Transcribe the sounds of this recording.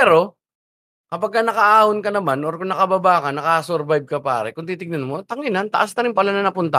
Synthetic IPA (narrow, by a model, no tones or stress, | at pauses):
pɛːɾo̞ | kɐpɐɡ̚kːanɐkɐʔaːhonkɐnɐmanʔoɾkʊŋnɐkɐbaːbaːkɐnɐkasoɾbajb̚kɐpa̰ːɾɛkʊŋt̪iːt̪ɪɡ̚nɐnmot̪ɐŋɪnant̪ɐʔasnɐɾɪnpɐlanɐnɐpʊnt̪a